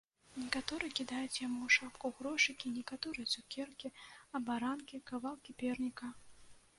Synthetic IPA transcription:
nʲɛkat̪ɔɾɨjɛkʲid̪ajut͡sʲjamuwʂapkuɣɾɔʂɨkʲinʲɛkat̪ɔɾɨjɐt̪sukʲɛrkʲiɐbaɾankʲikavalˠkʲipʲɛrnʲikɐ

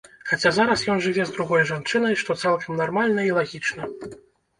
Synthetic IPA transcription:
xat͡sʲazaɾɐsjɔnʐɨvʲɛzd̪ɾuɣɔjʐant͡ʂɨnɐjʂt̪ɔt̪salˠkʰɐmnarmalʲnɐilˠaɣʲit͡ʂnɐ

